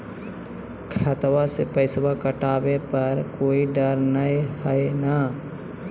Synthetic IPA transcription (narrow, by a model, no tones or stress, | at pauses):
kʰət̪wasepəɪswakəʈaːbepəɾkoːiɖəɾnəehəena